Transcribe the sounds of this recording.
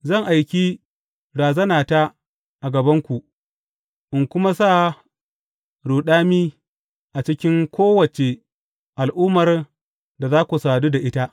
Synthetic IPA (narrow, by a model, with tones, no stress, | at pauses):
zɐ˦˨ŋʔa˨jkʲi˦ | ɽaː˨zɐ˦naː˨ta˦ | ʔa˨ɡɐ˨bɐ˦ŋkʷu˨ | ʔɪ˨ŋkʷʊ˦ma˦saː˦˨ | ɽuː˨ɗaː˦miː˦ | ʔa˨t͡ʃɪ˦kʲɪ˦ŋkʷoː˦wɐ˨t͡ʃe˨ | ʔa˨lʔʊː˦mɐ˨r | da˨zaː˦kʷu˨saː˨duː˦da˨ʔɪ˦ta˦ʔ